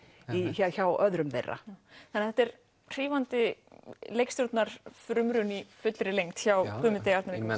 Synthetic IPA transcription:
içaçawœðɾʏmvḛjrːa̰θanɛaθɛht̪ɛɾ | r̥iːvant̪ɪ | lejkst̪jɔɾt̪naɾ̥fɾʏmɾʏnifʏt̪lɾɪlejŋt̪çawkʰʏːmɪt̪ejaft̪naɾ

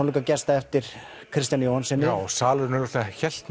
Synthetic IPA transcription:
likacɛst̪aɛft̪ɪɾ̥ | kʰɾɪst̪janjowhansɛnːɪwsaːlʏnʏɾɔt̪açɛl̥t̪

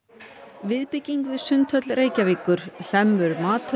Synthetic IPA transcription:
vɪðpɪcːiŋkvɪsʏnt̪ʰœt̪lreːjcaviːkʏɾ̥l̥ɛmːʏɾmaːt̪

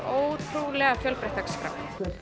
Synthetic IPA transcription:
oːwt̪ʰɾulɛɣafjœlpɾeht̪akskɾa̰

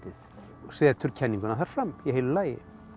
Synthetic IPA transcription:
t̪ɪθ | svɛːðt̪ʰʏɾ̥cʰɛnːĩŋkʏnaθaɾ̥fɾamːjɛɦɪllaːjɪ̰

